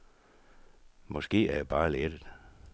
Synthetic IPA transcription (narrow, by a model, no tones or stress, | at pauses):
mɔ̽sɡ̥e̝̰ːæɐjæb̥ɑ̈ːled̥əð̥̩ˠ